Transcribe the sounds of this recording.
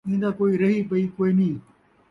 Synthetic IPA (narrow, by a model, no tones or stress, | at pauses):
ĩːnd̪aːkoːiːɾɐɦipɐiːkoːinĩː